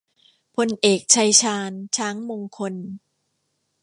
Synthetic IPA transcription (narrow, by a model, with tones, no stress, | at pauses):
pʰo˧nʔeː˨˩k̚t͡ɕʰa˧jt͡ɕʰaː˧nt͡ɕʰaː˦˥ŋmo˧ŋkʰo˧n